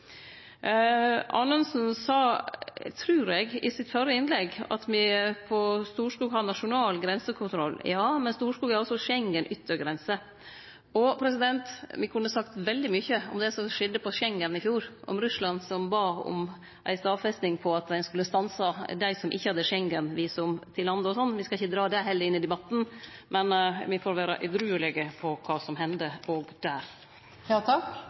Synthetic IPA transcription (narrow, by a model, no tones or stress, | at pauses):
ʔɑ̰nənsn̩sɑːt̪ʰɾʉːɾɛɡɪ̰sɪt̪fœɾəɪnlɛɡɑ̰t̪mɪpʰɔst̪uːʂkuːɡɦɑd̪nɑʂʊnɑːlɡɾɛnsəkʰʊnt̪ʰɾɔlːjɑːmɛnst̪uːʂkuːɡæɾɔsɔʂɛŋːənʔʏt̪ʰːəɾɡɾɛnsə | ɔpʰɾɛsɪd̪ɛnt̪ʋɪkʰʉnːəsɑkt̪ʋɛld̪ɪmʏçəɔmd̪ɛsɔʂɛd̪əpʰɔʂɛŋːənɪfjuːɾʔɔ̰mɾʉslɑnsɔmbɑːɔ̰m | ʔæ̰ɪst̪ɑːʋfɛst̪nɪŋpʰɔɑt̪d̪æɪnskʉlːəst̪ɑnsɑd̪æɪsɔmʔɪ̰çːəhɑd̪ːəʂɛŋɡənʋiːsɔmt̪ʰɪlhɑnd̪əɔsɔnːʋɪskɑlɪçːəd̪ɾɑːd̪ɛɦɛlːəɾɪnːɪd̪ɛbɑt̪ːn̩mɛnʋɪfɔɾʋæːɾɑ̰ʔʉd̪ɾʉːlɛɡəpʰɔkʰɑːsɔmɦɛnd̪əɔɡd̪̥æːɾ | jɑt̪ʰɑk